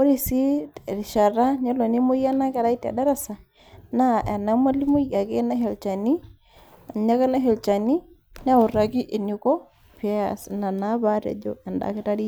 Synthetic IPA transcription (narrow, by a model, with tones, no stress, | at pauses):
o˦ɾi˨si˦˨ɾɪ˨ʃa˨ra˦ɲa˦lo˨ni˦mʊ˦ja˦na˦kɛ˨ɾa˦i˦ta̰˨da˦ɾa˦sa˨ | na˦ʔɛ˨na˦ma˦li˦mʊ˦ja˨ke˦na˦ɦɛ˨lt͡ʃa˨ni˦ | a˨ɲa˦kɛ˦na˦ɦe˨lt͡ʃa˨ni˦ | n˦a˦ʊ˨ra˨ki˦ʔe˨ni˨kɔ˦ | pa̰˨sna˨na˨˦ba˦ɾɛ̰˨d͡ʒo̰˦ɛ˨nda̰˨˦kɪ˦ta˦ɾi˦